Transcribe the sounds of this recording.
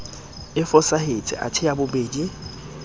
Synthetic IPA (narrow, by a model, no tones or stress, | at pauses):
ɪfɔsahet͡sʼɪ̰ʔa̰tʰɪabʊbeːdi